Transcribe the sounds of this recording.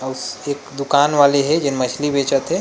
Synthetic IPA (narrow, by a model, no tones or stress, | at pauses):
əusekd̪ukanʋaleɦɛd͡ʒenmət͡ʃʰlibet͡ʃət̪ɦe